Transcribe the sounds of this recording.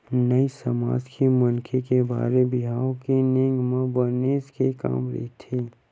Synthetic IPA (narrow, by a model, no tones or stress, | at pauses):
nəisɐma̰ːd͡ʒkemɐnkʰekeba̰ːɾebɪɦaːõkenẽŋɡmãbəɾneːskeka̰ːmɾɪ̰t̪ʰiː